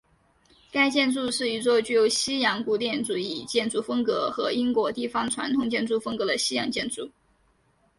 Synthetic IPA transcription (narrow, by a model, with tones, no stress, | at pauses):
ka˥ɪt͡ɕjɛ˥˧nt͡su˥˧ʂɻ̩˥˩i˧˥t͡swɔ˥˧t͡ɕy˥˩jo˧˥ʊɕi˥jɑ˧˥ŋku˥˩t̪̬jɛ˥˩nʈ͡ʂu˨˥˩i˥˨˩t͡ɕjɛ˥˧nt͡su˥˩fɤ˥ŋkɤ˧˥xɤ˧˥i˥ŋkwɔ˧˥t̪i˥˩fɑ˥ŋʈ͡ʂʰwa̰˧˥nt̪ʰʊ˨˩ŋt͡ɕjɛ˥˧nt͡su˥˩fɤ˥ŋkɤ˧˥d̪ə˧ɕi˥jɑ̰˧˥ŋt͡ɕjɛ˥˧nt͡su˥˩